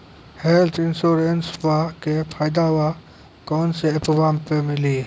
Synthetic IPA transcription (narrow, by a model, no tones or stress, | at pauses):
heːlt̪ʰɪnsuːɾensʋakepʰaːjd̪aʋa | kɔːnseɐpʋaːmpemɪliː